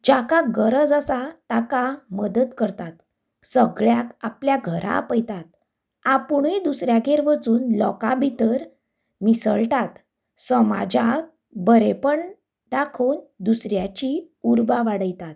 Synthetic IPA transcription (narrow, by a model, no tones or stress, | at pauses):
d͡ʑakaɡəɾəd͡zasat̪akaməd̪ət̪kəɾt̪at̪ | səɡɭjakapljaɡʱəɾʔa̰pəjt̪at̪̚ | apuɽ̃ed̪usɾjaɡeɾʋət͡suːnlɔkabʱit̪əɾ | misəɭt̪at̪ | səma̰d͡ʑa | bəɾepəɳ | ɖakʰond̪usɾjat͡ɕi | uɾbaʋaɽəjt̪at̪